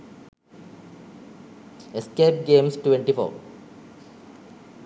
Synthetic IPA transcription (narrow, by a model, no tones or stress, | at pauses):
eskeːp̚ɡeːmsʈʋẽɳʈifo̰ːɾ